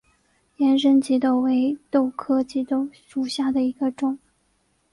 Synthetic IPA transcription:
jɛ˧˥nʂə˥nt͡ɕi˧˥t̪o˥˩ʊwe˧˥ɪt̪o˥˧ʊkʰɤ˥˩t͡ɕi˧˥t̪o˥˩ʊʂu˨˩ɕja˥˩d̪ə˩i˧˥ɡə˧ʈ͡ʂʊ˨˩˦ŋ

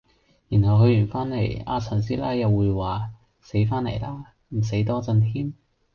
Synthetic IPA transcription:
ji˨˩nhɐ˨wɦɵ˧jyː˨˩nfaː˥nle˨˩ja̰ː˧t͡sʰɐ˨˩nsiː˥laː˥jjɐ˨wːuː˨˧jwaː˨ | se˨˥jfaː˥nlḛ˨˩jlaː˥ | m̩˨˩s̬e˨˥jt̪ɔː˥t͡sɐ˧nt̪ʰiː˥m

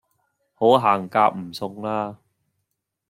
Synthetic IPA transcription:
ho˨˥wɦaː˨˩ŋkaː˧k̚m̩˨˩sʊ˧ŋlaː˥

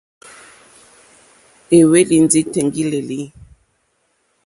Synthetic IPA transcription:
e˨we˦li˨nd͡zi˦tɛ˨ŋɡi˦le˨li˨˦

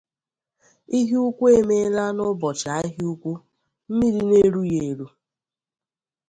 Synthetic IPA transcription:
i˦ɦi˦u˦kʷu˦e˦me˦la˦nʊ˦bɔ˨t͡ʃa˨˦i˦ɦi˦u˦kʷu˦ | m̩˦mi˦ɾi˦ne˦ɾu˦je˨ɾu˦

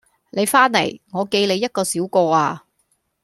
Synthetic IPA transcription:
le˨˧jfaː˥nlɐ̰˨˩jŋɔː˨˧ke˧jle˨˧jːɐ˥t̚kɔː˧siː˨˥wkɔː˧aː˧

